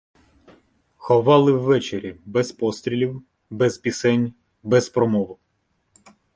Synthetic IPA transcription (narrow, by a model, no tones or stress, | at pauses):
xɔʋɑlˠɪwːɛt͡ʃeɾʲibɛzpɔst̪ʲɾʲilʲiw | bɛzpʲisɛnʲ | bɛzpɾɔmɔʋʊ